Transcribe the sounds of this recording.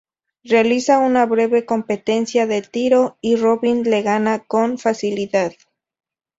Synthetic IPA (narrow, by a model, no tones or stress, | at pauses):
realisaunaβɾe̞βe̞ko̞mpe̞t̪e̞nsjaðe̞t̪iɾo̞iroβinle̞ɣanako̞ɱfasiliðað